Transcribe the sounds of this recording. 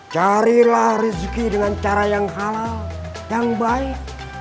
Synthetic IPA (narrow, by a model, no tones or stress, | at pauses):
t͡ʃaɾilahrizkidəŋant͡ʃaɾajaŋɦalal | jaŋbaɪk̚